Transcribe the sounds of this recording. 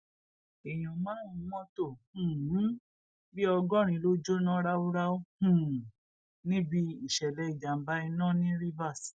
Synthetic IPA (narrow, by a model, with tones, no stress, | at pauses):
e˨j̃ɔ̃˨mã˦ũ˦wɔ̃˦tõ˦˨˦ | bi˦ɔ˧ɡɔ̃˦˨ɾ̃ĩ˧lo˦d͡ʒo˦nã˦ɾa˦o˦ɾa˦õ˦˨ | nĩ˦bi˧i˦˨ʃɛ˨lɛ˨˦i˦˨d͡ʒa˨m̩˨˦ba˦i˧nã˦˨nĩ˦ɾi˦va˦˨s